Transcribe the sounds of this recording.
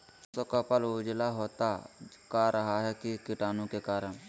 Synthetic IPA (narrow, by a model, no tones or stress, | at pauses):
sokapəloːd͡ʒlaɦoːt̪akaɾʔəɦaɦɛkikɪʈaːnõkekaːɾəɳ̃